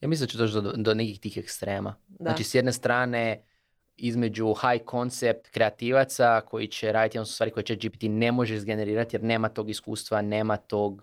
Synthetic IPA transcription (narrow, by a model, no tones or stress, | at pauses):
jaːmislinat͡ʃued̪ot͡ʃtd̪d̪onekixt̪iːxekst̪ɾe̞ːmazat͡ʃisjed̪ne̞st̪ɾaːne̞ | izme̞d͡ʒuxajkʰo̞nt̪sep̚t̪kɾe̞at̪iːʋat̪sakʰo̞jit͡ʃeɾaːd̪it̪ionsu̥st̪aːɾiko̞jet͡ʃed͡ʒipi̥t̪ine̞mo̞ʒezɡe̞ne̞ɾiːɾat̪ije̞ɾne̞ːmat̪o̞ːɡiskṵːst̪ʋane̞ːmat̪o̞ːɡ